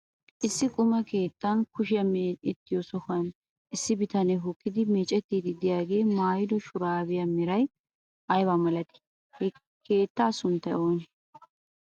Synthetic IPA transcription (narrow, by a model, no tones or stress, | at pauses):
ʔɪsːɪkʼʊmɐke̞ːt̪ːɐnkʊʃɪjɐmeɪt̪ːɪjosɔkɐn | ʔɪsːɪbɪt̪ɐnɛɦʊkːɪd̪ɪmeːt͡ʃʼɛt̪ːiːd̪ɪd̪ɪjaːɡe̞ːmaːjɪd̪ɔʃʊɾaːbɪjɐmɪɾɐj | ʔɐjbamɐlɐt̪ɪ̥ | h | ke̞ːt̪ːaːsʊnt̪ːɐjo̞ːnɛ